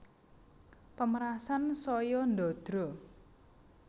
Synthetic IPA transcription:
pəməɾasansɔjɔnd̪ɔd̪̥ɾɔ

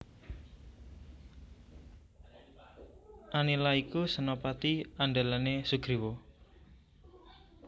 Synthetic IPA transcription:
ʔanilaikusənopat̪iaɳɖalanesuɡ̥ɾiwo

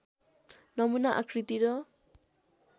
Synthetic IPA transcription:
nʌmunaʔa̰kʰɾit̪iɾʌ

